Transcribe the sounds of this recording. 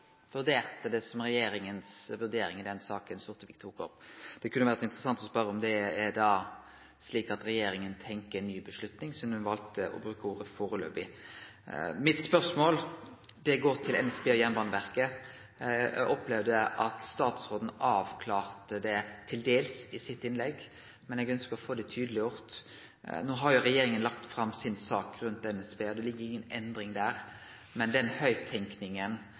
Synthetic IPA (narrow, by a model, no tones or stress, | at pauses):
ʋʉʁd̪eːʁt̪əd̪ɛsɔmʁɛjeːɾɪŋənsʋʉɾd̪eːɾɪŋɪd̪ɛnsɑːkənsʊɾt̪əʋɪkt̪ʰuːkɔ̰pd̪̥ɛkʉnːəʋæʁɾət̪ɪnt̪əɾəsɑnt̪ɔspœɾəɔmd̪ɛːd̪ɑ | sliːkɑt̪ɾɛjeːɾɪŋənt̪ʰɛŋkəɛnːyːbəʂlʉt̪nɪŋsɔmʉnʋɑlt̪əʔɔ̰bɾʉːkəuːɾəfoːɾəlø̰ːbɪ | mɪt̪spœʁsmoːld̪ɛɡoːʁt̪ʰɪlɛnɛspʰeːjɛnbɑːnəʋæʁkə | ɔplɛʋd̪əʔɑt̪st̪ɑːt̪sʁoːd̪n̩ɑːʋkʰlɑːʁt̪əd̪ɛt̪ʰɪld̪eːlsɪsɪt̪ːɪnlɛɡː | mɛnɛɡœnskəɾɔfoːd̪ɛt̪ʰyːd̪əlɪjʊːʁt̪ | noːɦɑʁjʊɾɛjeːɾɪŋənlɑkt̪fɾɑmːsɪnsɑːkɾʉnt̪ɛnɛspeːɔd̪ɛlɪɡːəɾɪŋːənɛ̰nd̪ɾɪŋd̪æːʁ | mɛnd̪ɛnhœʏt̪ʰɛŋknɪŋən